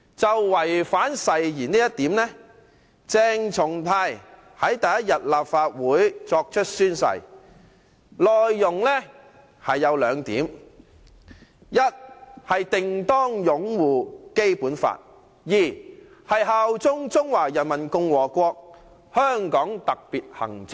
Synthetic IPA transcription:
t͡sɐ˨wːɐ˨˩jfaː˨˥nsɐ˨jjiː˨˩niː˥jɐ˥t̪̚iː˨˥mnɛ˥ | t͡sɛː˧ŋt͡sʰʊ˨˩ŋt̪ʰaː˧j | hɐ˨˥jt̪ɐ˨jɐ˥t̚jɐ˨t̚laː˨pfaː˧t̚wuː˨˥jt͡sɔː˧k̚t͡ʃʰɵ˥t̚syː˥nsɐ̰˨˧j | lɔː˨jːʊ˨˩ŋlɛ˥ | hɐ˨jːɐ˨˧wlœː˨˧ŋt̪ḭː˨˥m | jɐ˥t̚hɐ˨jt̪ɪ˨ŋt̪ɔː˥ŋjʊ˨˥ŋwuː˨ke˥jpuː˨˥nfa̰ː˧t̚ | jiː˨˩ | hɐ˨jɦɐ˨˧wt͡sʊ˥ŋt͡sʊ˥ŋwaː˨˩jɐ˨˩nmɐ˨˩nkʊ˧ŋwɔː˨˩kʷɔː˧k̚ | hœː˥ŋkɔː˨˥ŋt̪ɐ˨k̚piː˨t̚hɐ̰˨˩ŋt͡sɪ˥

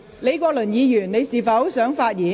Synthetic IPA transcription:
le˨˧jkɔː˧lɵ˨˩njiː˨˧jyː˨˩nne˨˧jsiː˨˩fɐ˨˥wsœː˨˥ŋfaː˧t̚jiː˨˥

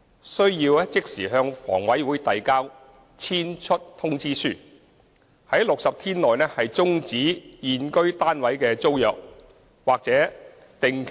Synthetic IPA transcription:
sɵ˥ɥjiː˧wɛː˥t͡sɪ˥k̚siː˨˩ɦœː˧ŋfɔ̰ː˨˩ŋwɐ˨˥jwuː˨˥jt̪ɐ˨jkaː˥w | t͡sʰiː˥nt͡ʃʰɵ˥t̚t̪ʰʊ˥ŋt͡siː˥syː˥˩ | hɐ˨˥jlʊ˨k̚sɐ˨p̚t̪ʰiː˥nlɔː˨jnɛː˥hɐ˨jt͡sʊ˥ŋt͡siː˨˥jiː˨nkɵ˥ɥt̪aː˥nwɐ˨˥jkɛː˧t͡so˥wjœː˨k̚ | waː˨k̚t͡sɛː˨˥ | t̪ɪ˨ŋ

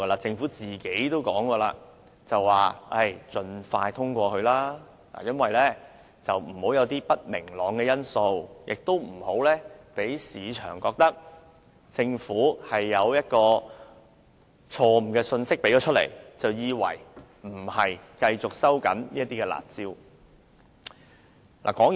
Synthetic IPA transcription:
laː˧t͡sɪ˧ŋfuː˨˥t͡siː˨ke˨˥jt̪o˥wkɔː˨˥ŋkɔː˧la̰ː˧ | t͡sɐ˨wːaː˨˩ɐ˥˩jt͡sɵ˧nfaː˧jt̪ʰʊ˥ŋkʷɔː˧kʰɵ˧ɥlaː˥ | a̰ː˨˩jɐ˥nwɐ˨jlɛː˥˩ | t͡sɐ˨wm̩˨˩ho˨˥wjɐ˨˧wt̪iː˥pɐ˥t̚mɪ̰˨˩ŋlɔː˨˧ŋkɛː˧jɐ˥nso˧wjɪ˨k̚t̪o˥wm̩˨˩ho˨˥wlɛː˥pe˨˥jsiː˨˧t͡ʃʰœ̰ː˨˩ŋkɔː˧k̚t̪ɐ˥k̚ | t͡sɪ˧ŋfuː˨˥hɐ˨jːɐ˨˧wjɐ˥t̚kɔː˧ | t͡ʃʰɔː˧m̩˨˩kɛː˧sɵ˧nsɪ˥k̚pe˨˥jt͡ʃɔː˨˧˥t̚lḛ˨˩jt͡sɐ˨wjiː˨˧wɐ̰˨˩j | m̩˨˩hɐ˨jkɐ˧jt͡sʊ˨k̚sɐ˥wkɐ̰˨˥nniː˥ɐt̪iː˥kɛ˧la̰ː˨˩t̚t͡siː˥w | la̰ː˨kɔː˨˥ŋ

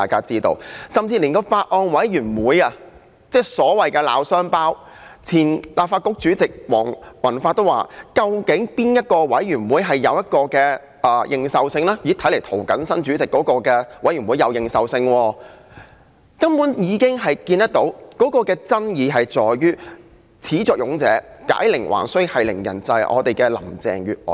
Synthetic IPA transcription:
aː˨jkaː˥t͡siː˥t̪o̰˧wsɐ˨mt͡siː˧liː˨˩nkɔː˧faː˧t̚ʔɔː˧nwɐ˨˥jɥyː˨˩nwuː˨˥jɐ˧ | t͡sɛː˥˩sɔː˨˥wɐ˨jkɛː˧la̰ː˨˧wsœː˥ŋpaː˥w | t͡sʰiː˨˩nlaː˨p̚faː˧t̚kʊ˥k̚t͡ʃyː˨˥t͡sɪ˨k̚wɔ̰ː˨˩ŋmɐ˨˩nfaː˧t̪o˥wa̰ː˨kɐ˧wkɪ˨˥ŋpiː˥njɐ˥t̚kɔː˧wɐ˨˥jɥyː˨˩nwuː˨˥jɦɐ˨jːɐ˨˧wjɐ˥t̚kɔː˧kɛː˧ | ɛː˨˩jʔɪ˨ŋsɐ˨wsɪ˧ŋlɛː˥jiː˨˥t̪ʰɐ˨˥le˨˩jt̪ʰo˨˩wkɐ˨˥nsɐ˥nt͡ʃyː˨˥t͡sɪ˨˩kːɔː˨˥kɔː˧kɛː˧wʔɐ˨˥jɥy˨˩nwuː˨˧jɐ˨˧wjɪ˨ŋsɐ˨wsɪ˧ŋwɔː˧ | kɐ˥mpu˨˥njiː˨˧kɪ˥ŋɦɐ˨jkiː˧nt̪ɐ˥k̚t̪o˨˥wkɔː˨˥kɔː˧kɛː˧t͡sɐ˥njiː˨˧ɦɐ˨jt͡sɔː˨jɥyː˥ | t͡sʰiː˨˥t͡sɔː˨˩k̚jʊ˨˧˥ŋt͡sɛ̰ː˨˥ka̰ː˨˥jlɪ˨˩ŋwʔa̰ː˨˩nsɵ˥hɐ˨jlɪ˨˩ŋjɐ̰˨˩nt͡sɐ˨˧jʔɔ̰ː˨˧t̪e˨jkɛː˧lɐ̰˨˩mt͡sɛ̰ː˨ŋɥyː˨˩t̚ʔɔ̰ː˨

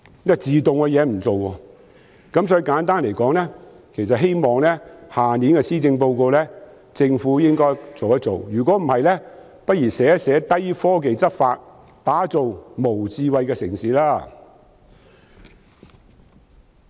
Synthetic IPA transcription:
jɐ˥t͡siː˨t̪ʊ˨ŋkɛ˧jɛː˨˧m̩˨˩t͡so˨wwɔː˧ | kɐ˨˥ms̬ɔː˨˥i˧kaː˨˥nt̪̬aː˥nle˨˩jkɔː˨˥ŋlɛː˥ | kʰe˨˩jsɐ˨t̚ɦe˥jmɔː˨ŋlɛː˥haː˨niː˨˥nkɛ˧siː˥t͡sɪ˧ŋpo˧wko˧lɛː˥ | t͡sɪ˧ŋfuː˨˥jɪ˥ŋkɔː˥jt͡so˨wɐ˥t̚t͡so˨wjyː˨˩kʷɔ˨˥m̩˨˩hɐ˨jlɛː˥ | pɐ˥t̚jiː˨˩sɛː˨˥sɛː˨˥t̪ɐ˥jfɔː˥k̬e˨jt͡sɐ˥t̚faː˧t̚ | t̪aː˨˥t͡so˨wmo˨˩wt͡siː˧wɐ˨˧jkɛː˧sɪ˨˩ŋsiː˨˥laː˥

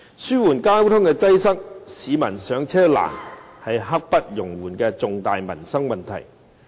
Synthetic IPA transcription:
syː˥wuː˨˩nkaː˥wt̪ʰʊ˥ŋkɛ˧t͡sɐ˥jsɐ˥k̚siː˨˧mɐ̰˨˩nsœː˨˧˥ŋt͡sʰɛː˥la̰ː˨˩nhɐ˨jɦɐ˥k̚pɐ˥t̚jʊ˨˩ŋwuː˨˩nkɛː˧t͡sʊ˨ŋt̪aː˨jmɐ̰˨˩nsɐ˥ŋmɐ˨nt̪ʰɐ̰˨˩j

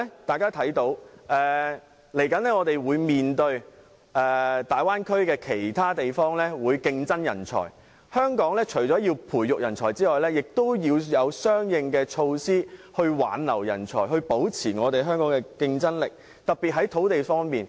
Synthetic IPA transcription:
t̪aː˨jkaː˥t̪ʰɐ˨˥jt̪o˨˥wʔɛː˨ | le˨˩jkɐ˨˥nɛː˥ŋɔː˨˧t̪e˨jwuː˨˧jmiː˨nt̪ɵ˧ɥ | ʔɛː˨t̪aː˨jwaː˥nkʰɵ˥ɥkɛː˧kʰe˨˩jt̪ʰaː˥t̪e˨jfɔː˥ŋlɛː˥wuː˨˧jkɪ˧ŋt͡sɐ˥njɐ̰˨˩nt͡sʰɔ̰ː˨˩j | hœː˥ŋkɔː˨˥ŋlɛː˥t͡ʃʰɵ˨˩jt͡sɔː˨˥jiː˧wpʰuː˨˩jjʊ˨k̚jɐ˨˩nt͡sʰɔː˨˩jt͡siː˥ŋɔː˨jlɛː˥jɪ˨k̚t̪o˥wjiː˧wjɐ˨˧wsœː˥ŋjɪ˨˧ŋkɛː˧t͡ʃʰo˧wsiː˥hɵ˧ɥwa̰ː˨˧nlɐ˨˩wjɐ̰˨˩nt͡ʃʰɔ̰ː˨˩jɦɵ˧ɥpo˨˥wt͡sʰiː˨˩ŋɔː˨˧t̪e˨jɦœː˥ŋkɔː˨˥ŋkɛ˧kɪ˧ŋt͡sɐ˥nlɪ˨k̚ | t̪ɐ˨k̚piː˨t̚ɦɐ˨˥jt̪ʰo˨˥wt̪e˨jfɔː˥ŋmiː˨n

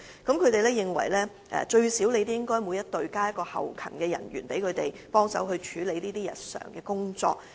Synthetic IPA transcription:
kɐ˨˥mkʰɵ˨˧t̪e˨jlɛː˥jɪ˨ŋwɐ̰˨˩jlɛː˥ | ʔɛ̰ː˨t͡ʃɵ˧ɥsiː˨˥wle˨˧jt̪̬e˥ɪ˥ŋkɔː˥jmuː˨˧jɐ˥t̚t̪ɵ˨ɥkaː˥jɐ˥t̚kɔː˧hɐ̰˨wkʰɐ̰˨˩nkɛː˧jɐ̰˨˩nɥy̰ː˨˩npe˨˥jkʰɵ˨˧ɥt̪e˨j | pɔː˥ŋsɐ˨˥whɵ˧ɥt͡ʃʰyː˨˧le˨˧jliː˥t̪iː˥jɐ̰˨t̚sœ̰ː˨˩ŋkɛː˧kʊ˥ŋt͡sɔ̰ː˧k̚

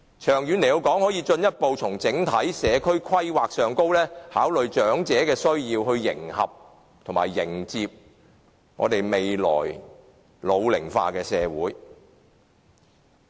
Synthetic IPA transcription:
t͡ʃʰœː˨˩ŋjy˨˧nle˨˩jo˨˧wkɔː˨˥ŋhɔː˨˥jiː˧t͡ʃɵ˧njɐ˥t̚po˨˧wt͡sʰʊ˨˩ŋt͡sɪ˨˥ŋt̪ʰɐ˨˥jsɛː˨˧kʰɵ˥ɥkʰwɐ˥jwaː˨k̚sœː˨ŋko˥wlɛː˥haː˨˥wlɵ˨ɥt͡ʃœː˨˥ŋt͡sɛː˨˥kɛː˧sɵ˥ɥjiː˧whɵ˧ɥːɪ̰˨˩ŋhɐ̰˨p̚ | t̪ʰʊ˨˩ŋma̰ː˨˩jːɪ˨˩ŋt͡siː˧p̚ | ŋɔ̰ː˨˧t̪e˨jme˨jlɔ̰ː˨˩j | lo˨˧wlɪ˨˩ŋfa̰ː˧kɛː˧sɛː˨˧wuː˨˥j

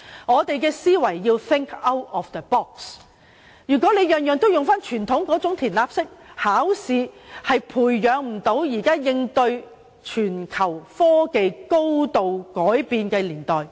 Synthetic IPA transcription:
ŋɔː˨˧t̪e˨jkɛː˧siː˥wɐ˨˩jːiː˧wθɪ˥ŋkʰɐ˥wt̚ɔ˨fd̪ə˨bɔː˥˩k̚s | jyː˨˩kʷɔː˨˥le˨˧jœː˨ŋjœː˨˧ŋt̪o˥wjʊ˨ŋfaː˥nt͡ʃʰyː˨˩nt̪ʰʊ˨˥ŋkɔː˨˥t͡sʊ˨˥ŋt̪ʰiː˨˩nlaː˧p̚sɪ˥k̚haː˨˥wsiː˨˧hɐ˨jpʰuː˨˩jːœː˨˧ŋm̩˨˩t̪o˨˧˥wjiː˨˩kaː˥jɪ˧ŋt̪ɵ˧ɥ | t͡ʃʰyː˨˩nkʰɐ˨˩wfɔː˥ke˨jko˥wt̪o˨wkɔː˨˥jpiː˨nkɛː˧liː˨˩nt̪ɔː˨j

